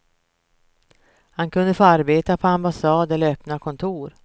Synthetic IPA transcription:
hankʰɵnd̪əfoːaɾbeːt̪apʰɔambasɑːd̪ɛlœpnakʰɔnt̪ʰuːɾ

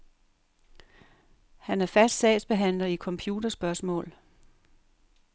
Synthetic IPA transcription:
hænæɐfæsd̥sɛ̰̥sb̥e̝ɦæn̰lɐikʰɒ̽mpʰjuːd̥ɐsb̥ɶɐsmɔ̰̽ːl

